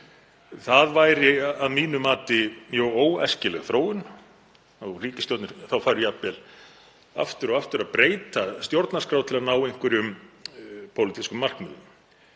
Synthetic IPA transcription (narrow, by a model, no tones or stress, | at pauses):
θaðvajɾɪaðmiːnʏmaːt̪ɪjowoːwɛ̰scɪlɛɣθɾoːwʏn | awriːcɪst̪jɔwt̪nɪθawfaːɾʏjap̪vɛl | a̰ft̪ʏɾɔɣaft̪ʏɾaðpɾeːjt̪ast̪jowɾt̪naskɾawt̪ʰɪlaðnaːwejŋ̥kvɾɪʏm | pʰowlɪt̪iskʏmːal̥kmʏðʏn